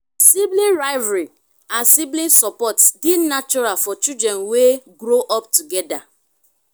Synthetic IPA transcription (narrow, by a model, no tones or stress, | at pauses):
siblĩnɹaɪvaɹi | ãnsiblĩnsɔpɔtsdidnat͡ʃɔɾalfɔt͡ʃidɾɛ̃nweɡɾoʔɔptuɡɛda